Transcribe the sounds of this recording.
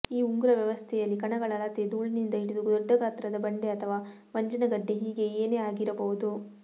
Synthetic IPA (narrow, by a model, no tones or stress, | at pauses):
iːuŋɡuɾɐʋjɐʋɐst̪ʰɛjɐlːikɐɳɐɡɐɭɐlɐt̪ed̪uːɭinind̪ɐiɽid̪uɡd̪ɔɖːɐɡaːt̪ɾɐd̪ɐbɐɳɖeɐt̪ʰɐʋaː | ʋɐɲd͡ʒɐnɐɡɐɖːe̞ɦiːɡe̞eːne̞ːaːɡiɾɐbɐʋud̪u